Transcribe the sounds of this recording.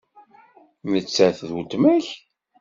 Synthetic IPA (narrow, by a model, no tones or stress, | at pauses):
mət͡sːæθðut̪mæç